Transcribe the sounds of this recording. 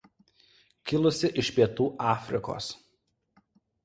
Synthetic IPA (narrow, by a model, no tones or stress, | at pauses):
kʲɪlˠʊsʲɪʔɪʃʲpʲiɛt̪uːʔɑːfʲɾʲɪko̰ːs